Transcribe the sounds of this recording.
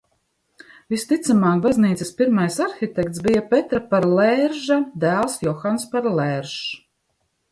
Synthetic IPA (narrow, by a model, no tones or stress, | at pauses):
vist̪it̪samaːk̚bazniːt̪ɛspiɾmajsaɾxʲit̪ɛkt̪sbijapɛt̪ɾapaɾlɛɾʒad̪æːlˠsjɔxanspaɾlɛːɾʒ